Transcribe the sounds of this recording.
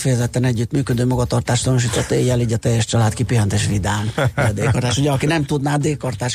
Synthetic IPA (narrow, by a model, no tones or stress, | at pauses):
fɛjɛzɛt̪ːɛnɛɟːyt̪myːkød̪øːmɒɡɒt̪ɒrt̪aːʃt̪ɒnuʃ̬iːt̪ot̪ːeːjːɛliːɟɒt̪ɛjːɛʃt͡ʃɒlaːt̪kipiɦɛnt̪eːʃvid̪aːniɟɒd̪eːkɒrt̪aːʃuɟɛɒkinɛmt̪ud̪naːd̪eːkɒrt̪aːʃ